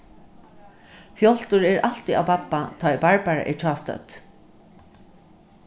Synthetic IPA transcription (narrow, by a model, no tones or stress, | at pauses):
fjɔl̥t̪ʊɹɛɹal̥t̪ia̰wpapːat̪ʰɔjpaɹpaɹa̰ʔɛ̰ɹt͡ʃʰɑːst̪œ̰t̪